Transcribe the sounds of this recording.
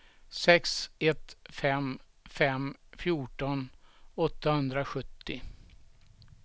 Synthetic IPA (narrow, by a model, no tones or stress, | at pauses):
sɛksɛt̪fɛm | fɛmfjuːʈɔnɔt̪ːahɵnd̪ɾaɧɵt̪ʰːɪ